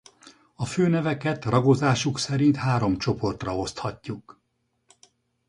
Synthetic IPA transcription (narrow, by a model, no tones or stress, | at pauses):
ɒføːnɛvɛkɛt̪rɒɡo̞zaːʃuksɛɾint̪haːɾo̞mt͡ʃo̞po̞rt̪rɒo̞st̪hɒcːuk